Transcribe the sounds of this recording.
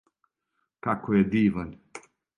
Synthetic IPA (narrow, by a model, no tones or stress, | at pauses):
kakojɛd̪iːvanʲ